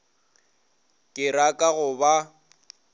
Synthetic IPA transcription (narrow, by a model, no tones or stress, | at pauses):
kʼɪɾakʼaɣʊba